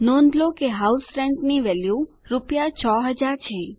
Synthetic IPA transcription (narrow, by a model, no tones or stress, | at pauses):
nɔ̃nd̪lokeɦausfɾɛɳʈniʋɛlju | ɾupjat͡ʃʰɔɦəd͡ʒaɾt͡ʃʰe